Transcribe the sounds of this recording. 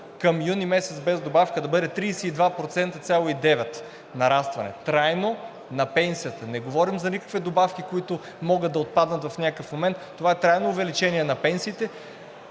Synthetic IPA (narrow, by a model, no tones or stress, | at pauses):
kɐmjunimɛsɛt̪sbɛzd̪obafkəd̪ɐbɤd̪ɛt̪ɾiːsɛid̪vapɾot̪sɛnt̪ət̪sʲjalˠoid̪ɛvɛt̪ | nɐɾast̪vɐ̰nɛ̰t̪ɾajno | nɐpɛnsijət̪ənɛɡovɔɾimzɐnikə̥kvɛd̪obafkʲikoit̪ʊ | mɔɡət̪̚d̪ɐot̪̚pad̪nɐt̪vɐfnʲakəfmomɛnt̪ːovaɛt̪ɾajnoːvɛlit͡ʃɛniɛnɐpɛnsiːt̪ɛ